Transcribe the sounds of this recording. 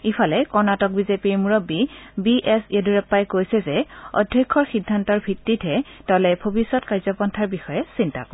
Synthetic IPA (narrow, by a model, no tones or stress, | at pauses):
ipʰalɛkɔɹnatɔk̚bizepiɹmuɹobibiʔɛsieduɹɛpːajkojsɛzɛɔ̰dʱjɔkʰːɔɹxidʱːantɔɹbʱitːitʰɛtɔlɛbʱobisːɔtkaɹzɔpɔntʰaɹbixɔjɛsinta̰kɔ